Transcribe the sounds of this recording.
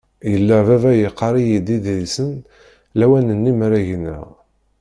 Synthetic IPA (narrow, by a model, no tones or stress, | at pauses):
jəlːəvævæjəqːɑɾˤijid̪iðɾisən | læwænənːimɾæʝnə̰ʁ